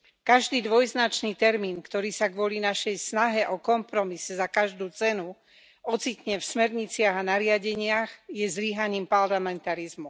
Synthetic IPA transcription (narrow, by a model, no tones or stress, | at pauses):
kaʒd̪iːd̪ʋɔjznat͡ʃniːt̪ɛɾmiːnkt̪ɔɾiːsaɡʋʊɔlinaʃɛjsnaɦɛʔɔkɔmpɾɔmisɛzakaʒd̪uːt͡sɛnu | ʔɔt͡sicɲɛfsmɛɾɲit͡sɪaɣanaɾɪaɟɛɲɪaɣjɛzliɦaɲiːmpaɾlamɛnt̪aɾizmu